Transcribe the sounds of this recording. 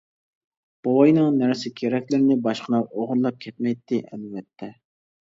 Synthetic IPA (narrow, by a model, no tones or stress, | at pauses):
b̥owɑjnɨŋnæɾsɪkʲʰeɾɛkʲlɪɾɪnɪbɑʃqʰənɑoʁʊɾlˠɑp̚kʲʰɛt̪mɛjt̪ʰːɪʔɛlvɛt̪ʰːɛ